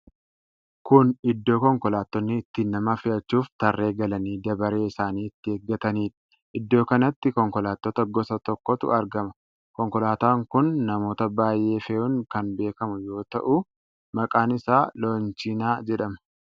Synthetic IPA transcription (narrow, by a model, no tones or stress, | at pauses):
kʊnɪd̪ːo̞ːkɔŋkɔlaːt̪ːɔnːɪːt̪ːiːnːɐmɐfɪʔɐt͡ʃːuːft̪ɐrːe̞ːɡɐlɐniːd̪ɐbɐɾe̞ːɪsaːniːɪt̪ːɪeːɡːɐt̪ɐniːᶑɐ̥ | ʔɪd̪ːo̞ːkɐnɐt̪ːɪkɔŋkɔlaːt̪ːɔt̪ɐɡɔsɐt̪ɔkːɔt̪ʊ̰ɐɾɡɐmɐ | kɔŋkɔlaːt̪aːŋkʊnːɐmo̞ːt̪ɐbaːjʔe̞ːfɛuŋkɐnbe̞ːkɐmʊjo̞ːt̪ɐ̰ʔʊ | mɐkʼaːnɪsaːloːnt͡ʃinaːd͡ʒɛᶑɐmɐ̥